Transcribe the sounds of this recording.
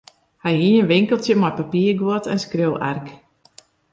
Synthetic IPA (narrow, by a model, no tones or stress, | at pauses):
hajinənʋɪŋkəlˠtjəmɔjpapiːərɡwotɛnskrøwʔɛ̰rk